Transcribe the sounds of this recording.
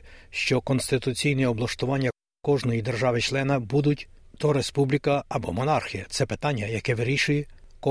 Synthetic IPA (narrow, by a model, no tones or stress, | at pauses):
ʃt͡ʃɔkɔnst̪ɪt̪ʊt͡sʲijniɔblˠɐʃt̪ʊʋɑnʲːɐ | kɔʒnɔjid̪erʒɑʋɪt͡ʃlˠɛnɐbud̪ʊtʲd̪ɔɾespublʲikɐːbɔ̰mɔnɑrxʲijɐt̪sɛpet̪ɑnʲːɐjɐkɛʋɪɾʲiʃʊjɛkɔ